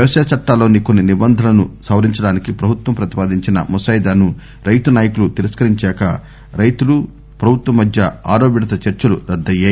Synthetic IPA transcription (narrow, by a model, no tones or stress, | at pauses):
jɐʋɐʂɐːɐt͡ʃɐʈːaːlo̞ːniko̞nːinibɐnd̪ʱɐlɐnusɐwɾiɲt͡ʃɐɽaːnikipɾɐbʱut̪wɐmpɾɐt̪i̥paːd̪iɲt͡ʃinɐ̰mɔsɐjd̪aːnu | ɾɐjt̪unaːjɐkulut̪iɾɐskɐɾiɲt͡ʃɛːkɐ | ɾɐjt̪ulu | pɾɐbʱut̪wɐmːɐd̪ʱjɐaːɾoːbiɽɐt̪ɐt͡ʃɐɾt͡ʃɐlud̪ɐd̪ːɐje